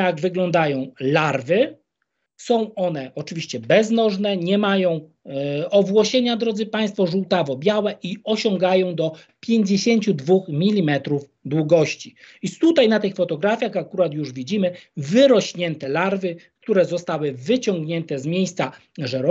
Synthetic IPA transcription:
jaɡvɘɡlɔnd̪ajɔ̃w̃laɾvɘ | sɔ̃w̃ɔnɛʔɔt͡ʂɘvʲiɕt͡ɕɛbɛznɔʐnɛɲɛmajɔ̃w̃ | ɔvwɔɕeɲad̪ɾɔd̪zɘpaj̃st̪fɔʐuwt̪avɔbʲjawɛʔiɔɕɔŋɡajɔ̃w̃d̪ɔ | pʲjeɲd͡ʑeɕeɲt͡ɕud̪vuxmʲilʲimɛt̪ɾuv | d̪wuɡɔɕt͡ɕiit̪ut̪ajnat̪ɘxfɔt̪ɔɡɾafʲjaxakuɾat̪juʐvʲid͡ʑimɘvɘɾɔɕɲɛnt̪ɛlaɾvɘkt̪uɾɛzɔst̪awɘvɘt͡ɕɔŋɡɲɛnt̪ɛzmʲjejst̪sa | ʐɛɾɔ

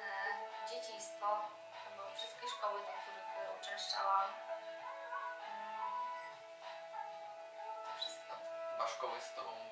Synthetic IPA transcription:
d͡ʑet͡ɕijst̪fɔ | ɛbɔfʂɨst̪̚ʲkʲɛʂkɔwɘt̪akʲɛut͡ʂɛ̃ʂt͡ʂa̰wa | t̪ɔfʂɘst̪̚kɔɔʂkɔwɛst̪ɔ

